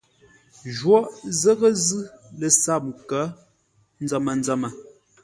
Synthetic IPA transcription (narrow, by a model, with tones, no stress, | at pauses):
ʒwɔ˦ʔzə˦ɣə˦zɯ˦lə˨sa˦˨p̚ŋ˨kə˨˦ | n̩˦d͡zə˨mə˨n˦d͡zə˨mə˨